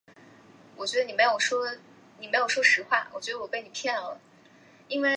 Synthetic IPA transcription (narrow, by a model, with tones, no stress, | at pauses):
wɔ˨˩t͡ɕɥɛ˧˥ə˧ni˨˩me˧˥jo˨˩ʊʂwɔ˥ | ni˨˩me˧˥ɪjo˨˩ʂwɔ˥ʂɻ̩˧˥xwa˥˩wɔ̰˨˩t͡ɕɥɛ˧˥d̪ə˧wɔ˨˩kɪn˨˩pʰjɛ˥˩nlə̰˩ | i˥nwe˥˩ɪ